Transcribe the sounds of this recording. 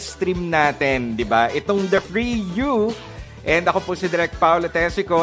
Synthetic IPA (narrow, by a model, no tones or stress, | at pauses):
st̪ɾimnaːt̪ɛnd̪ɪbaʔɪt̪oŋd̪ɐfɹiju | ʔɛnd̪ɐko̞pʊsɪd̪ɛɾɛk̚t̪̚pawlɐt̪ɛsɪko